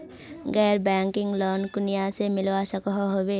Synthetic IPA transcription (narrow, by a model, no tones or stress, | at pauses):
ɡɛːɾbɛːŋkɪ̃ŋɡlɔːnkʊnijasemɪlwasəkɦɦobeː